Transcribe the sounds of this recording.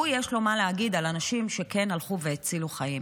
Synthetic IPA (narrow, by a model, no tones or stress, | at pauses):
ujeʃlo̞maleaɡidalanaʃimʃeke̞nalχuveːt͡siluχajim